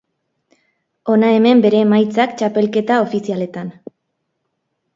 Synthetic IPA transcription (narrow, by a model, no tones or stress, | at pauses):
o̞nae̞me̞mbe̞ɾe̞majt͡sakt͡ʃape̞lke̞t̪ao̞fisiale̞t̪an